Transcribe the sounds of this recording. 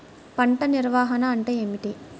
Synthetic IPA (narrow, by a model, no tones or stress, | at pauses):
pɐɳʈɐniɾʋaːɦɐnɐɐɳʈeːemiʈi